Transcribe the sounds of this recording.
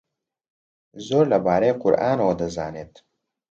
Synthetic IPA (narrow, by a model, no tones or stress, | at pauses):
zoːɾlɐbaːɾejqʊ̰ɾʔaːnɐwɐd̪ɐzaːneːt̪